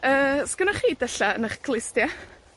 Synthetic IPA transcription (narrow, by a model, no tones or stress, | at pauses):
əːskənaχiːdɛɬaənaχɡ̥lˠɪstja